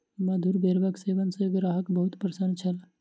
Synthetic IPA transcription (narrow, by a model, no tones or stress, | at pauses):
imad̪ʱuɾbeɾbəɡseːʋənseɡɾaːɦəkbəɦut̪pɾsənt͡ʃʰɐl